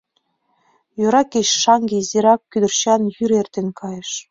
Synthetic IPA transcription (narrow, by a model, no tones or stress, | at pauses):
jøɾɑkeɕʃɑŋɡezeɾɑkːyd̪ə̆rɕɑnjyɾert̪enkʰɑjɤ̆ʃ